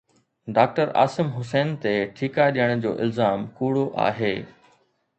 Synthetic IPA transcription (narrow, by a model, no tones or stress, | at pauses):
ɖaːk̚ʈəɾa̰ːsɪmɦʊsɛːnt̪eʈʰiːkaɗijəɽ̃ʊd͡ʑo̰ːʔɪ̰lzaːmkuːɽoʔa̰ːɦeː